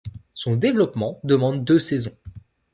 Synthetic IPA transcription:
sɔ̃d̪evlɔpmɑ̃d̪əmɑ̃d̪ːøsɛzɔ̃

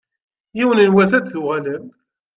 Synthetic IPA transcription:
jiwənənwæzæd̪θuʁæləm

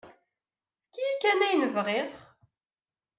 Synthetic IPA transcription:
θkːijikːænæjnəvʁeʁ

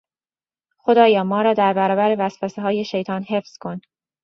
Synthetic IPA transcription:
xo̞d̪ɒːjɒːmɒːɾɒːd̪æɾbæɾɒːbæɾevæsfæseɦɒːje̞ʃe̞jt̪ʰɒːnɦe̞fz̥kʰo̞n

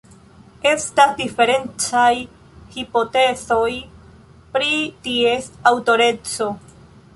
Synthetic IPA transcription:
e̞stasdife̞ɾe̞nt͡saj | hipo̞te̞t͡so̞j | pɾitie̞sawto̞ɾe̞t͡so̞

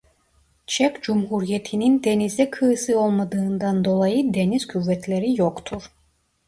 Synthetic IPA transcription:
t͡ʃʰɛkʲd͡ʒumɦuɾijet̪ʰinind̪enizd̪ɛkʰɯɯsɯo̞lˠmad̪ɯːnd̪and̪o̞lˠajɯd̪e̞niz̥kʰuvːɛt̪ʰlʲeɾijokt̪ʰuɾ

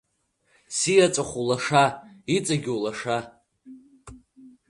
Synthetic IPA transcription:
sijat͡sʷʼaχʷulaʂait͡sʼaɡʲowlaʂa

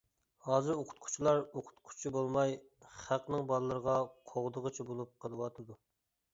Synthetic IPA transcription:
hɑːzɨɾoqʰʊ̥t̪̚qʰʊ̥t͡ʃʰilˠɑɾoqʰʊ̥t̪qʰʊ̥t͡ʃʰibolˠmɑj | χæqnɨŋbɑlˠlˠəɾəʁɑqʰoʁd̪əʁət͡ʃʰibolˠup̚qʰəlˠəwɑt̪ʰɨd̪u

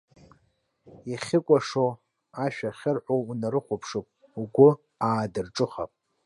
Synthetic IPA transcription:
iχʲɪkʷʼaʂo | aʃᶣaχʲɪrħʷounaɾɨχʷʊpʰʂopʼ | uɡʷʊ | aːdɨrʈ͡ʂʼɨχa̰pʼ

